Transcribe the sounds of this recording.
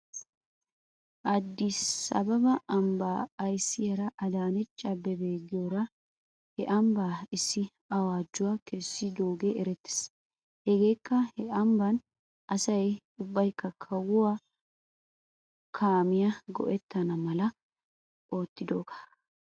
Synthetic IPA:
ʔɐd̪ːɪsɐ̰bɐbɐɐmbaːɐjsːɪjɐɾɐʔɐd̪aːnɛt͡ʃʼɐbːɛbe̞ːɡɪjoɾɐ | hɛʔɐmbaːɪsːɪ | ɐwaːd͡ʒːʊwakɛsːɪd̪oːɡeɾɛt̪ːɛ̥s | hɛɡe̞ːkːɐhɛʔɐmbɐn | ɐsɐj | ʊbːɐjkːɐkʰɐwʊwa | kʰaːmɪjɐɡɔ̰ʔɛt̪ːɐnɐmɐlɐ | ʔoːt̪ːɪd̪o̞ːkḁ

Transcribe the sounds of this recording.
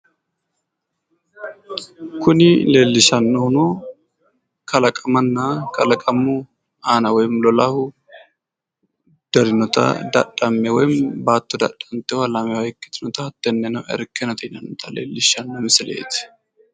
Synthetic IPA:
kʊnɪle̞ːlːɪʃɐnːɔhʊnɔ | kʰɐlɐkʼɐmɐnːɐkɐlɐkʼɐmʊ | aːnɐwɔjmlɔlɐhʊ | d̪̥ɐɾɪnɔt̪ɐ̰d̪ɐ̰ɗɐmːɛwɔjmbaːt̪ːɔd̪ɐ̰ɗːɐnt̪ːɛwɐlɐmɛwɐjkːɪ̥t̪ɪnɔt̪ɐɐt̪ːɛnːɛnɐwʔɛ̰ɾkːɛnɐt̪ɛnɐnːɔt̪ʰɐlḛːlːɪʃɐnːɔmɪsɪlḛːt̪ɪ̥

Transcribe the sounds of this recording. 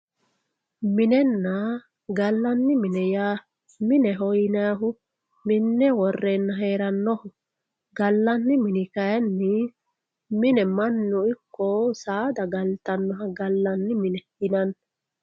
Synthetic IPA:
mɪnɛnːɐ | ɡɐlːɐnːɪmɪnɛjaː | mɪnɛɦɔjnɐɦʊ | mɪnːɛwɔrːenːɐɦeːɾɐnːɔhʊ | ɡɐlːɐnːɪmɪnɪkɐjɐnːɪ | mɪnɛmɐnːʊɪkːɔsaːd̪ɐɡɐlt̪ɐnːɔɦɐɡɐlːɐnːɪmɪnɛ | ɪnɐn

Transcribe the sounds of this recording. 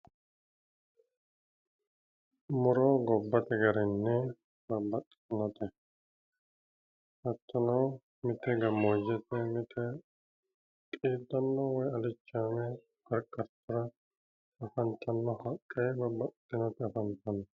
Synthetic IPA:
mʊɾɔɡɔbːɐt̪ɛɡɐɾɛnːɛ | bɐbɐt̪ʼː | nːɐt̪ɛ | hɐt̪ʰːɐnɐw | mɪt̪ɛɡɐmːoːd͡ʒɛt̪ːɛmɪt̪ʰɛ | kʼiːd̪ːɐnːɔwɔjɐlɪt͡ʃːaːmɛ | ɡɐɾkʼːɐɾt̪ʰʊɾɐ | ɐfɐnt̪ʰːɐnːɔhɐkʼːɛjbɐbɐtʼː | ɪnɐt̪ɛɐfɐnt̪ɐnɐ

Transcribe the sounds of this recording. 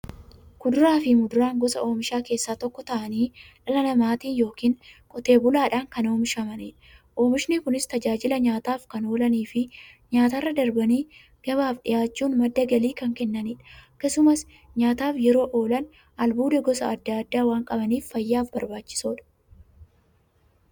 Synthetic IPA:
kʊd̪ʊɾaːfɪmʊd̪ʊɾaːŋɡɔsɐ̰o̞ːmɪʃaːke̞ːsːaːt̪ɔkːɔt̪ɐʔɐniːᶑɐlɐnɐmaːt̪iːnjo̞ːkiːŋkʼɔt̪e̞ːbʊlaːᶑaːŋkɐno̞ːmɪʃɐmɐniːᶑɐʔo̞ːmɪʃnɪkʊnɪst̪ɐd͡ʒaːd͡ʒɪlɐɲaːt̪aːfkɐno̞ːlɐniːfɪ | ɲaːt̪ɐrːɐd̪ɐɾbɐniː | ɡ̥ɐβaːfɗɪjaːt͡ʃːuːnmɐd̪ːɐɡɐliːkɐŋkɛnːɐniːᶑɐkːɐsʊmɐs | ɲaːt̪aːfjɛɾo̞ːʔo̞ːlɐn | ʔɐlbuːd̪ɐɡɔsɐɐd̪ːaɐd̪ːaːwaːŋkʼɐbɐniːfːɐjːaːfbɐɾbaːt͡ʃːɪ̥soːᶑɐ̥

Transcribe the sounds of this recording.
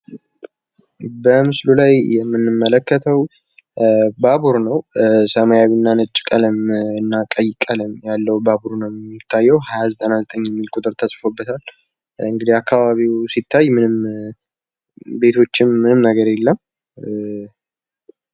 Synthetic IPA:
bəmɨslulajjɛmːɨnːɨmːələkːət̪ʰəw | baβuɾnəwsəmajawinːanɨt͡ʃʼːkʼələmɨnːakʼəjkʼələmjalːəwbaβuɾnəwɛmːit̪ʰːajːɛwhajazət̪ʼənazət̪ʼəɲːjɛmːilkʼʊt̪ʼɨɾt̪ʰəsʼfobːət̪ʰal | ɨŋɡɨd̪iakːaβaβiwsit̪ʰːajmɨnɨm | be̞t̪ʰo̞t͡ʃːɪmːɨnɨmnəɡəɾelːəm

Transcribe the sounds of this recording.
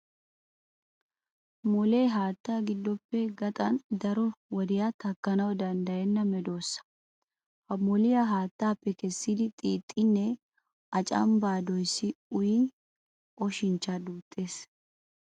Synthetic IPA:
mɔleːɦaːt̪ːaːɡɪd̪ːɔpːɛɡɐt̪ʼɐnd̪ɐɾɔwɔd̪ɪjat̪ɐkːɐnɐwd̪ɐnd̪ɐjɛnːɐmɛd̪o̞ːsːɐ̥ | hɐmɔlɪjaɦaːt̪ːaːpːɛkɛsːid̪ɪt̪ʼiːt̪ʼːɪnːɛ | ʔɐt͡ʃʼɐ̰mbaːd̪ɔjsːɪʊji | ʔɔʃɪnt͡ʃːad̪uːt̪ʼːe̞ːs

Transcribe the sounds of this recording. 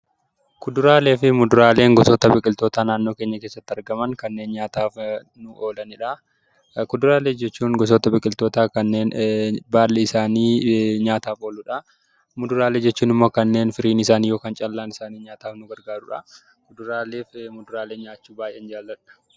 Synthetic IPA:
kʊd̪ʊɾaːle̞ːfɪmʊd̪ʊɾaːle̞ːŋɡɔsoːt̪ɐbɪkʼɪlt̪oːt̪aːnaːnːo̞ːke̞ːɲːɐkeːsːɐt̪ːɐɾɡɐmɐŋkɐnːe̞ːnɲaːt̪aːf | nʊʔoːlɐnɪᶑɐ | kʊd̪ʊɾaːleːd͡ʒɛt͡ʃːuːnɡɔs̬oːt̪ɐbɪkʼɪlt̪o̞ːt̪aːkɐnːe̞ːnbaːlːɛɪsaːniːɲaːt̪aːfo̞ːlʊᶑɐ | mʊd̪ʊɾaːleːd͡ʒɛt͡ʃːuːnɪmːoːkɐnːe̞ːnfɪɾiːnɪsaːniːjo̞ːkaːnt͡ʃʼɐlːaːnɪsaːniːɲaːt̪aːfnʊɡɐɾɡaːɾʊᶑɐ̰ | kʊd̪ʊɾaːle̞ːfmʊd̪ʊɾaːle̞ːɲaːt͡ʃːuːbaːʔeːnd͡ʒaːlːɐᶑɐ̥

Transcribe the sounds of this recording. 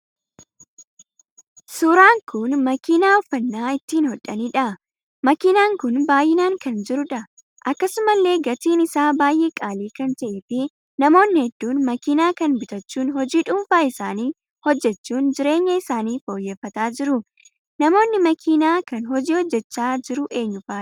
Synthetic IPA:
suːɾaːŋkʊnmɐkiːnaːɔfːɐnːaːɪt̪ːiːnhɔᶑːɐniːᶑɐʔ | mɐkinaːŋkʊnbaːjːɪnaːŋkɐnd͡ʒɪɾʊᶑɐ | ʔɐkːɐsʊmɐlːe̞ːɡɐt̪iːnɪsaːbaːjʔeːkʼaːliːkɐnt̪ɐʔeːfɪ | nɐmo̞ːnːɪhɛd̪ːuːnmɐkiːnaːkɐnbɪt̪ɐt͡ʃːuːnhɔd͡ʒiːᶑʊmfaːɪsaːniː | hɔd͡ʒːɛt͡ʃːuːnd͡ʒɪɾe̞ːɲːɐɪsaːniːfo̞ːjːɛːfːɐt̪aːd͡ʒɪɾʊ | nɐmo̞ːnːɪmɐkʰiːnaːkɐnɦɔd͡ʒiːhɔd͡ʒːɛt͡ʃːaːd͡ʒɪɾʊʔe̞ːɲːʊfaː

